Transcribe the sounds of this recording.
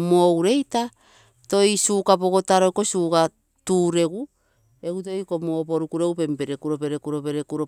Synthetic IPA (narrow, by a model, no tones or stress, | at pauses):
mowɾe̞jta | to̞jsuːkapo̞ɡo̞taɾokosuːka | tuːɾe̞ɡu | e̞ɡut̬o̞jkomopoɾukuɾe̞ɡupe̞mpe̞ɾekuɾo̞pe̞ɾekuɾo̞pe̞ɾekuɾo